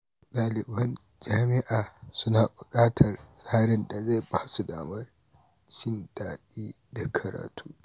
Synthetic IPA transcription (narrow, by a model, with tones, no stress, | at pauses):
ɗaː˨lɪ˨bɐ˦n | d͡ʒaː˦mɪ˦ʔaː˨sʊ˦naː˨bʊ˨kʼaː˦tʰɐ˨rsʼaː˦ɾɪ˦nda˨za˦˨jbaː˦su˨daː˨mɐ˦r | t͡ʃɪ˦ndaː˨ɗiː˦ | da˨kʰɐ˨ɾa̰ː˨tʰuː˦